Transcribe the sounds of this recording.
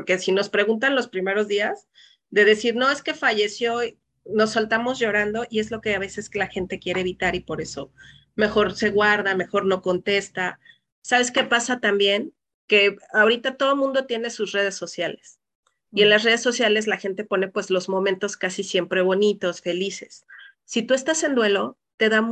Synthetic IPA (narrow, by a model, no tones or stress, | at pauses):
poɾke̞sino̞spɾe̞ɣunt̪anlo̞spɾime̞ɾo̞zðiaz | ðe̞ðe̞siɾno̞e̞ske̞faʝe̞sjo | no̞sːalt̪amozʝo̞ɾand̪o̞ʔie̞zlo̞ke̞aβ̞e̞se̞slaxe̞nt̪e̞kje̞ɾeːβit̪aɾipo̞ɾe̞so̞ | me̞xo̞ɾse̞ɣwaɾðame̞xo̞ɾno̞ko̞nt̪e̞st̪a | saβe̞ske̞pasat̪ambje̞n | ke̞ao̞ɾit̪at̪o̞ð̞o̞mũnd̪o̞t̪je̞ne̞susre̞ð̞e̞sːosjale̞s | ie̞nlasre̞ð̞e̞sːo̞sjale̞zlaxe̞nt̪e̞po̞ne̞pwe̞zlo̞zmõ̞mẽnt̪o̞skasisje̞mpɾe̞βo̞nit̪o̞sfe̞lise̞̥sː | it̪ue̞st̪ase̞nd̪we̞lo̞ | t̪e̞ðam